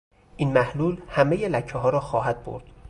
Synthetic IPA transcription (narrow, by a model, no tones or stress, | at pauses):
ʔinmæhluːlhæme̞jelæcʰːeɦɒːɾɒːxɒːɦæd̪̚bo̰ɾd̪̥